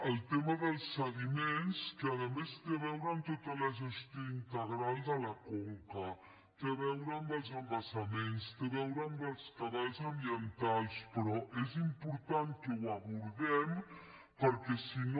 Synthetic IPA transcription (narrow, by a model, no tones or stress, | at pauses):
əlˠt̪eməðəlˠsːəɣimenskəəðəmest̪eβɛwɾəːnt̪ot̪ələʒəst̪ioint̪əɣɾalˠd̪ələkoŋkə | t̪eβɛwɾəːmbəlˠzəmbəsəmenst̪eβɛwɾəːmbəlˠskəβalzəmbiənt̪alˠspɾɔʔezimpuɾt̪aŋkəwəβuɾðɛm | pəɾkɛsin